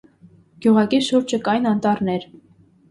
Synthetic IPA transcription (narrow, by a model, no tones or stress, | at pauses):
ɡ̥juʁɑkiʃuɾt͡ʃʰəkɑjnɑnt̪ɑɾnɛɾ